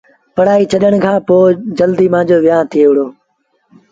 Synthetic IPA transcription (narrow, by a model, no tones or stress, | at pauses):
pɐɽaːiːt͡ɕʰɐɗəɽ̃kʰãːpoːd͡ʑəld̪iːmãːd͡ʑoːʋɪjãːnt̪ʰijeːʊɽoː